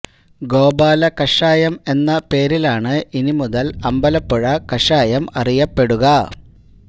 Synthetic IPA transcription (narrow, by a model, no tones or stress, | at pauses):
ɡo̞ːbaːlɐkɐʂaːjɐme̞nːɐpe̞ːɾilaːɳɨʔinimuðɐlɐmbɐlɐpːuɻɐkɐʂaːjɐmɐrijɐpːe̞ɽuɣɐ